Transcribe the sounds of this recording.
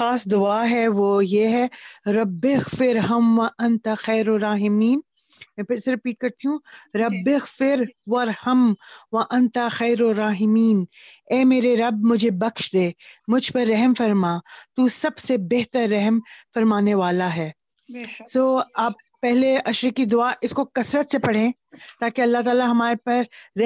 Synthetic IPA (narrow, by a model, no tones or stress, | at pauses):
xaːsd̪ʊaːɦɛʋoːjeɦɛɾɐbːɪɣfɪɾɦɐmʋɐʔɐ̃nt̪axɛːɾoɾaːɦɪmiːn | mɛ̃ːpʰɪɾseɾɪpiːʈ̚kɐɾt̪iɦũɾɐbːɪɣfɪɾʋɐɾhɐmʋɐʔɐ̃nt̪axɛːɾoɾaːɦɪmiːn | ɛːmeːɾeɾɐb̚mʊd͡ʒʱebɐkʃd̪eːmʊd͡ʒʱpɐɾːɛɦmfɐɾmat̪usɐbsebɛɦt̪əɾːɛɦmfɐɾmaːneʋaːlaɦɛː | soːaːpːɛɦleɐʃɾekːid̪ʊaːʔɪskokɐsɾət̪sepɐɽ̤ẽː | t̪aːkeɐlːat̪aːlaɦɐmaːɾepɐɾː